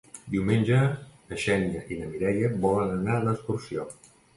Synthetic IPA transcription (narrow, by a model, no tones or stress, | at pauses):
d̪iwmenʲʒə | əʃɛniəʔinəmiɾɛjəbɔlənənaələst̪ursio